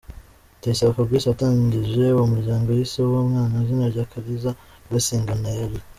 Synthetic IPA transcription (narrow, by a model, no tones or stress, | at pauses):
teisaβokabɡwiːʃiataːɲɟiʒe̞uwomuɾɟaːŋɡo̞jisowomŋaːnazinaɾɟakaɾiza | wasiːŋɡanajeɾi